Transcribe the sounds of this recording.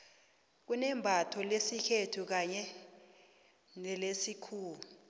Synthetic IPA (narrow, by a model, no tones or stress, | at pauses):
k̬unɛmbʱatʰɔlesikʰetʰuk̬aɲɛ | nɛlesikʰuːlu